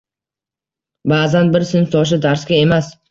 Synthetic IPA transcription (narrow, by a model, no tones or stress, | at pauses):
baːzanbɪɾsɪnft̪ʰɒʃ̬ɪd̪aɾsɡʲae̞mas